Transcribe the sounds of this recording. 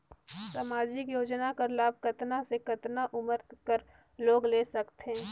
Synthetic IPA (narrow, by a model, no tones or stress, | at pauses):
samaːd͡ʒɪkjoːd͡ʒnakəɾlaːb̚ʱkɐt̪nasekɐt̪naʔʊməɾkəɾ | loːɡleːsɐkt̪eɦɛ̃ː